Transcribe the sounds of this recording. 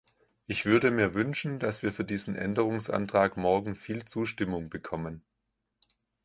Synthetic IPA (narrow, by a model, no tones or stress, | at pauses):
ʔɪçv̥ʏɐdəmiːɐvʏnʃn̩dasv̥iːɐfyːɐdiːzn̩ʔɛ̰ndəʁ̞ʊŋsʔa̰ntʁ̥aːkmɔɐɡŋ̩fiːlt͡suːʃtɪmʊŋbəkʰɔmən